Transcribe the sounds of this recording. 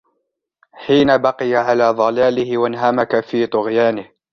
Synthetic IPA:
ħiːnabɑqɪjaʕalaːðˤɑlaːlɪhɪwanɦamakafiːt̪ˤʊɣjaːnɪh

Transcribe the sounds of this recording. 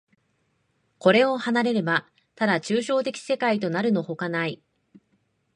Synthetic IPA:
ko̞ɾe̞o̞hanaɾe̞ɾe̞ba | t̪ad̪at͡ɕɨːɕo̞ːt̪e̞kʲi̥se̞kait̪̬o̞naɾɯ̟no̞ho̞kanai

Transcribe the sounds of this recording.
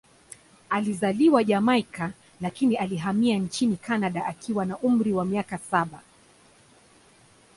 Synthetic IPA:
alizaliwaʄamajka | lakinialiɦamiant͡ʃinikanaɗaʔakʰiwanaʔum̩ɾiwamiakasaɓa

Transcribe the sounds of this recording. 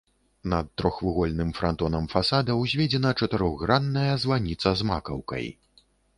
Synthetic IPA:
nɐt̪ːɾɔxvɨɣɔlʲnɨmfɾant̪ɔnɐmfasad̪ɐwzʲvʲɛd͡zʲɛnɐt͡ʂɐt̪ɨɾɔɣɣɾanːɐjɐzvanʲit̪sɐzma̰kɐwkɐ̰j

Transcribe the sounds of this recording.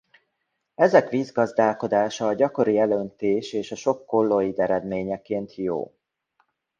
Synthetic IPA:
ɛzɛkʋiːzɡɒzd̪aːlko̞d̪aːʃɒːɟɒko̞ɾiɛlønt̪eːʃeːʃɒʃo̞kːo̞lːojid̪ɛɾɛd̪meːɲɛkeːnt̪jo̰ː

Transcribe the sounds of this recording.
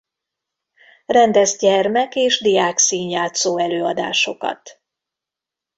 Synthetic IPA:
rɛnd̪ɛzɟɛrmɛkeːʒd̪ijaːksiːɲjaːt̪soːɛløːɒd̪a̰ːʃo̞kɒ̰t̪

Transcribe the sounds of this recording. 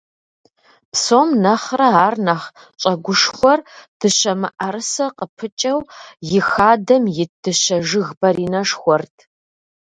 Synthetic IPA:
psomnɐχrɐaːrnɐχ | t͡ʃʼɐɡʷʊʂxʷɔrd̥ɨɕɐmɨʔɐɾɨsɐqəpʰɨt͡ʃʼɐwjɪxaːdɐmjɪdʰɨɕɐʒɨɣbɐɾiːnɐʂxʷɔrtʰ

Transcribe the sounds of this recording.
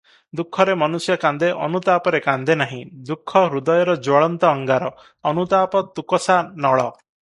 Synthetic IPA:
d̪ukʰːɔɾemɔnusjɔkand̪eʔɔnut̪apɔɾekand̪enaɦĩd̪ukʰːɔɾud̪ɔjɔɾɔd͡ʒwɔɭɔnt̪ɔːŋɡaɾɔː | nut̪apɔt̪ukɔsanɔɭɔ

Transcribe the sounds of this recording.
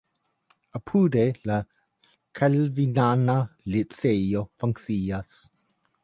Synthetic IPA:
əpʰuːdela | kʰalvinanalit͡seofaŋksiːas

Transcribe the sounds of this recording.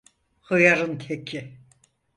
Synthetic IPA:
hɯjaɾɯnt̪ʰekʰɪ

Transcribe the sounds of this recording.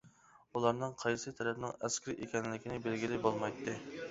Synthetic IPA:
ulˠɑɾnɨŋqʰɑjsɨt̪ʰɛɾɛpnɪŋɛskʲiɾɪʔekʲɛnlɪkʲinɪbɪlɡʲilɪbolˠmɑjt̪ʰːɨ

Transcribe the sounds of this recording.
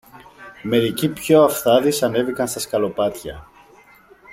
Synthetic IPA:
me̞ɾicipço̞ɐfθɐðisɐne̞vikɐnst̪ɐskɐlo̞pɐt̪çɐ

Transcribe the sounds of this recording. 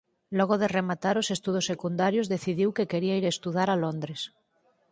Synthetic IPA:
lɔɣ̞oðeremat̪aɾosest̪uð̞osːekund̪aɾjozðeθiðiwkekeɾiaiɾest̪uðaɾalond̪ɾes

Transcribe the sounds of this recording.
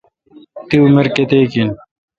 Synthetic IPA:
t̪iumeɾket̪eːkin

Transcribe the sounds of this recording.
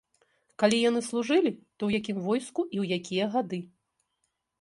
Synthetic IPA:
kalʲijan̪ɨslˠuʐɨlʲit̪ɔwjakʲimvɔjskuʔiwjakʲʰijɐɣad̪ɨ

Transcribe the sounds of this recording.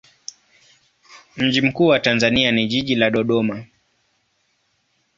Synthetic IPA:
m̩ʄim̩kuːwatanzanianiʄiʄilaɗɔɗɔma

